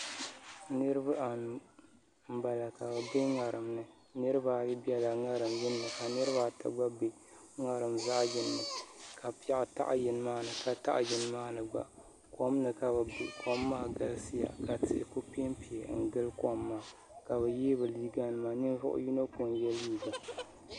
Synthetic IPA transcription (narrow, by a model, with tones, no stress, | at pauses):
nɨ˦ɾɨ˦ba˦ʔa˨nu˨ | m̩˦ba˨la˨ka˨ba˨be˦ŋa˨ɾɨ˨mnɨ˨ | nɨ˦ɾɨ˦ba˨ji˦bi˦ɛ˦la˨ŋa˦ɾɨ˨mjɪ˦nːɨ˨ka˨nɨ˦ɾɨ˦βa˨ta̰˨ɡ͡ba˦be˨ | ŋa˨ɾɨ˨mza˦jɪ˦nːɨ˨ka˨pi˦a˦ʔta̰˦ʔjɪ˨n˦maː˦nɨ˨ka˨ta̰˦ʔjɪ˨n˦maː˦nɨ˨ɡ͡ba̰˨ʔ | ko˦m˦nɨ˨ka˨bɨ˨bɪ̰˨kʰɔ˦mːaː˦ɡa˨lsɨ˦ja̰˨ka˨tɨ̰˨ʔɪ̰˨ko˦pe˦mpi˨ɛ˨˦ŋ̩˨ɡɨ˦lkɔ˦mːaː˦˨ | ka˨bɛ˨jeː˦bɨ˨liː˦ɡa˦nɨ˨ma˨nɨ˦n˦zʊ̰˦ʔʊ̰˦ju˦no˦ko˨njɛ˦liː˦ɡa˨